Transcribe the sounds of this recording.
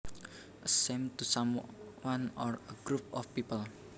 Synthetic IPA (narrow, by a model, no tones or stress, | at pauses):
ʔəsemt̪usamwanɔrəɡ̥ɾup̚ɔfpipəl